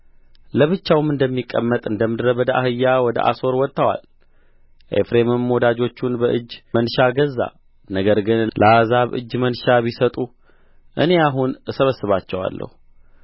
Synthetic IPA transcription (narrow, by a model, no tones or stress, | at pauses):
ləβɨt͡ʃːawɨmɨnd̪əmːikʼːəmːət̪ʼɨnd̪əmːɨd̪ɾəβəd̪əahɨjːawɔd̪ə̰ʔa̰so̞ɾwɔt̪ʼːəwa̰l | ʔḛfɾemɨmːɔd̪ad͡ʒo̞t͡ʃːunbəʔɨd͡ʒːmənʃaɡəzːa̰ | nəɡəɾɡɨnlʔəazaβʔɨ̰d͡ʒːmənʃaβisət̪ʼu | ʔɨne̞aɦunsəβəsːɨβat͡ʃːɛwa̰lːə̰hu